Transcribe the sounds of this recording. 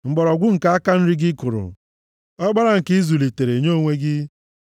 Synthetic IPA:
ŋ͡m̩˨ɡ͡bɔ˨ɾɔ˨ɡʷʊ˦ŋ̩˨ka˨a˦ka˦n̩˦ɾɪ˦ɡɪ˦kʊ˨ɾʊ̰˨ | ɔ˦ɡ͡ba˦ɾa˦ŋ̩˨ki˦zu˨li˨te˨ɾe˨ɲo˦˨ŋʷe˦ɡɪ˦

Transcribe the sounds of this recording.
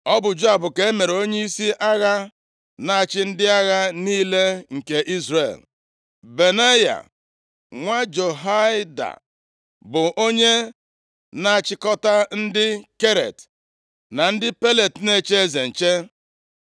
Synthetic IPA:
ɔ˦bʊ˨d͡ʒo˦a˨bʊ˨ke˨e˦me˨ɾo˦ɲe˦i˦si˦ʔa˦ɣa˦ | na˦a˨t͡ʃɪ˦n̩˦dɪ˦a˦ɣa˦niː˦le˦ŋ̩˨ke˨ʔi˦zrḛ˨l | be˨ne˦ja̰˨ | ŋʷa˦d͡ʒo˨ɦa˦ɪ˦da̰˨ | bʊ˨ʔo˦ɲe˦ | na˦a˨t͡ʃɪ˦kɔ˦ta˦n̩˦dɪ˦ke˦ɾḛ˨t | na˨n̩˦dɪ˦pe˦le˨tne˦˨t͡ʃe˦ze˨n̩˨t͡ʃe˦

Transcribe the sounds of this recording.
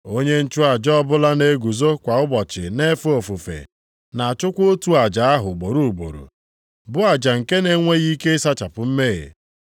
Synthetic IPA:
o˦ɲe˦n̩˦t͡ʃʊ˦a˨d͡ʒɔ˦bʊ˦la˦ne˨ɡu˨zo˦kʷa˨ʊ˦bɔ˨t͡ʃɪ̰˨ne˦fu˦o˨fu˨fḛ˨ | na˨a˨t͡ʃʊ˦kʷo˦tu˦a˨d͡ʒa˨a˦ɦʊ˨ɡ͡bo˨ɾu˨ɡ͡bo̰˨ɾṵ˨ | bʊ˦a˨d͡ʒa˨ŋ̩˨ke˦ne˦ŋʷe˦ɣi˦ke˦ɪ˦sa˦t͡ʃa˨pʊ˨m̩˦me˦˨ḛ˨

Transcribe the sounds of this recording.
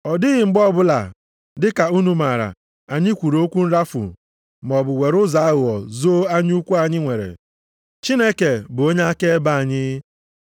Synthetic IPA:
ɔ˨dɪ˦ɣɪ˨ŋ͡m̩˨ɡ͡bɔ˦˨bʊ˦la̰˨ | dɪ˦ka˨u˦nu˦ma˨ɾa̰˨ | a˨ɲɪ˦kʷu˨ɾo˦kʷu˦n̩˦ɾa˦fʊ̰˨ | m˨ɔ˨bʊ˨we˨ɾʊ˦za˨˦ɣʊ˨ɔ˨zo˦a˦ɲ˦u˦kʷu˦a˨ɲɪ˦ŋʷe˨ɾḛ˨ | t͡ʃi˦ne˦ke˨bʊ˨o˦ɲe˦a˦ke˦ba˦a˨ɲɪ˦

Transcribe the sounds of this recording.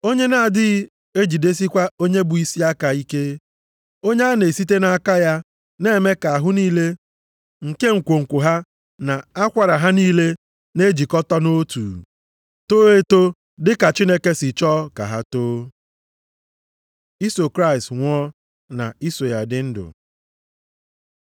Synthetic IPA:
o˦ɲe˦na˨dɪ˦ɣ | e˦d͡ʒi˨de˦s̬i˦kʷa˦o˦ɲe˦bʊ˨i˦si˦a˦ka˨i˦ke˦ | o˦ɲe˦a˦ne˨si˦t̬e˦na˨a˨ka˦ja˦ | ne˦˨me˦ka˨a˨ɦʊ˦niː˦le˦ | ŋ̩˨ke˦ŋ̩˨kʷo˨ŋ̩˨kʷʊ˨ɦa˦ | na˨a˦kʷa˨ɾa˨ɦa˦niː˦le˦ | ne˦d͡ʒi˨kɔ˦tɔ˦no˦tṵː˨ | to˦e˦to˦ | dɪ˦ka˨t͡ʃi˦ne˦ke˦sɪ˨t͡ʃɔː˦ka̰˨ɦa˦toː˦ | i˦so˨kɾa˦ɪ˨stŋʷɔ˦ | na̰˨i˦so˨ja˨dɪ˦n̩˦dʊ̰˨

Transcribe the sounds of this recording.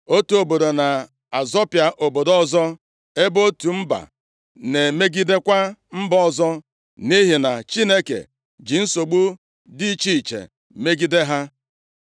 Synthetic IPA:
o˦tu˦o˨bo˨do˨na˨ | a˨zɔ˦pja˨ʔo˨bo˨dɔ˦zɔ˦ | e˦bo˦tu˨m̩˦ba̰˨ | ne˨me˦ɡi˦de˦kʷa˦m̩˦bɔ˦˨zɔ˦ | ni˦ɦi˨na˨t͡ʃi˦ne˦kḛ˨ | d͡ʒi˨n̩˦so˨ɡ͡bu˦ | di˦t͡ʃi˦i˨t͡ʃḛ˨ | me˦ɡi˦de˦ɦa˦

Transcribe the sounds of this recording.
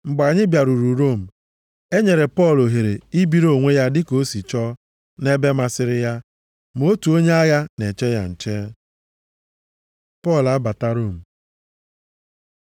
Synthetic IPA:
ŋ͡m̩˨ɡ͡ba˨ɲɪ˦bja˨ɾu˨ɾu˨ɾo˦˨m̩˨ | e˦ɲe˨ɾe˨pɔ˦˨lo˨ɦe˨ɾe˨i˦bi˦ɾo˨ŋʷe˦ja˦dɪ˦ko˦si˨t͡ʃɔ˦ | ne˦be˦ma˨sɪ˦ɾɪ˦ja˦ | m˦o˦tu˨o˦ɲe˦a˦ɣa˦ne˨t͡ʃe˦ja̰˨n̩˨t͡ʃe˦ | pɔ˦˨la˦ba˨ta˦ɾo˦˨m̩˨

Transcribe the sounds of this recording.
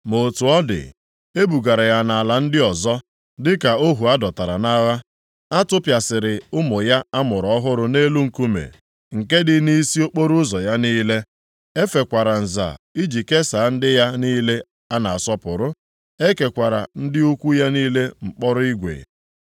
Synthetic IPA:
mo˨tu˨ɔ˦dɪ̰˨ | e˦bu˨ɡa˨ɾa˨ja˨na˨la˨n̩˦dɪ˦ɔ˨zɔ˦ | dɪ˦ka˨o˦ɦu˨a˦dɔ˨ta˨ɾa̰˨na˦ɣa˦ | a˦tʊ˦pja˨sɪ˨ɾɪ˨ʊ˦mʊ˨ja˦a˦mʊ˨ɾɔ˨ɔ˦ɦʊ˦ɾʊ˨ne˦lu˦ŋ̩˨ku˦mḛ˨ | ŋ̩˨ke˦dɪ˨ni˦i˦si˦o˦k͡po˦ɾʊ˦zɔ˨ja˦niː˦le˦ | e˦fe˨kʷa˨ɾa˨n̩˨za̰˨i˦d͡ʒi˨ke˦sa˨˦n̩˦dɪ˦ja˦niː˦le˦ | a˦na˨a˨sɔ˦pʊ˨ɾʊ˦ | e˦ke˨kʷa˨ɾa̰˨n̩˦dɪ˦u˦kʷu˦ja˦niː˦le˦ŋ͡m̩˨k͡pɔ˦ɾʊ˦i˦ɡʷḛ˨

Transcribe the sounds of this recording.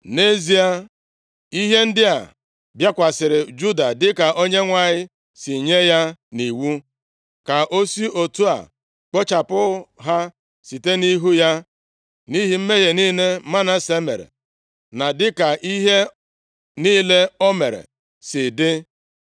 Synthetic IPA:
ne˦zi˨a˦ | i˦ɦe˦n̩˦dɪ˦a˨ | bja˦kʷa˨sɪ˨ɾɪ˨d͡ʒu˦da˨dɪ˦ka˨ʔo˦ɲe˦ŋʷa˨ɲɪ˦ | si˨ɲe˦ja˦ni˨wu˦ | ka˨ʔo˦si˦ʔo˨tu˦a̰˨ | k͡pɔ˦t͡ʃa˨pʊ˦ɦa˦ | si˨te˦ni˦ɦu˦ja˦ | ni˦ɦi˨m̩˦me˦ɣe˨niː˦ne˦ma˦na˦se˦mḛ˨ɾḛ˨ | na˨dɪ˦ka˨ʔi˦ɦe˦ | niː˦le˦ɔ˦me˨ɾḛ˨ | sɪ˨dɪ˦

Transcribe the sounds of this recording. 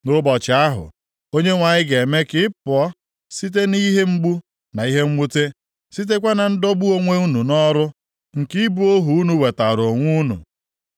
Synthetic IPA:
nʊ˦bɔ˨t͡ʃɪ˨a˦ɦʊ̰˨ | o˦ɲe˦ŋʷa˨ɲɪ˦ɡe˨me˦kɪ˦pʊ˨ɔ˦ | si˦t̬e˦ni˦ɦe˦ŋ͡m̩˦ɡ͡bu˦ | na˨i˦ɦe˦ŋ͡m̩˦mu˦te˦ | si˦t̬e˦kʷa˦na˨n̩˦do˦bu˦o˦ŋʷe˦u˦nu˨nɔ˦ɾʊ˦ | ŋ̩˨ki˦bu˦o˦ɦu˨u˦nu˨we˨ta˨ɾo˨ŋʷu˦nṵ˨

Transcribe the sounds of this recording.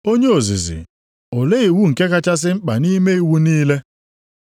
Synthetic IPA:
o˦ɲe˦o˨zḭ˨zḭ˨ | o˨le˦i˨wu˦ŋ̩˨ke˦ka˦t͡ʃa˦s̬ɪ˦ŋ͡m̩˦k͡pa̰˨ni˦me˦i˦wu˦niː˦le˦

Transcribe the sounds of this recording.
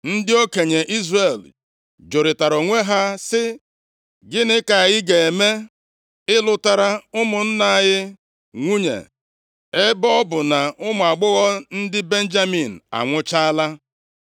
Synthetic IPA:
n̩˦dɪ˦o˦ke˨ɲe˨ʔi˦zre˨l | d͡ʒo˨ɾɪ˨ta˨ɾo˨ŋʷe˦ɦa˦sɪ˦ | ɡɪ˦nɪ˦ka˨ɣɪ˦ɡe˨e˨me˦ | ɪ˦lʊ˦ta˦ɾa˦ʊ˦mʊ˨n̩˦na˦˨ɣɪ˦ | ŋʷu˦ɲḛ˨ | e˦bɔ˦ɔ˦bʊ˨na˨ʔʊ˦mʊ˨a˨ɡ͡bʊ˦ɣɔ˦n̩˦dɪ˦be˦n̩˦d͡ʒa˦mi˨n̩˨a̰˨ŋʷʊ˦t͡ʃa˦a˦la˦

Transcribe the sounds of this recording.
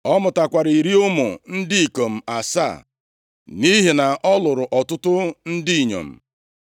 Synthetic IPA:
ɔ˦mʊ˨ta˨kʷa˨ɾi˨ɾi˦ʊ˦mʊ̰˨n̩˦dɪ˦i˨ko˨m̩˨a˨sa̰˦˨ | ni˦ɦi˨na˨ʔɔ˦lʊ˨ɾʊ˨ʔɔ˨tʊ˦tʊ˦n̩˦dɪ˦˨ɲo̰˨m̩˨

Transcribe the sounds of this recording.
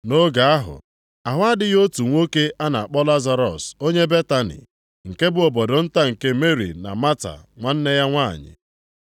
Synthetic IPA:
no˦ɡa˨a˦ɦʊ̰˨ | a˨ɦʷa˦dɪ˦jo˦tu˨ŋʷo˦ke˦ʔa˦na˨a˨k͡pɔ˦la˦za˦ɾɔ̰˨so˦ɲe˦be˦ta˦nḭ˨ | ŋ̩˨ke˦bʊ˨ɔ˨bɔ˨dɔ˨n̩˦ta˦ŋ̩˨ke˦me˦ɾḭ˨na̰˨ma˦ta̰˨ŋʷa˨n̩˦ne˦ja˦ŋʷa̰˦˨ɲɪ̰˨

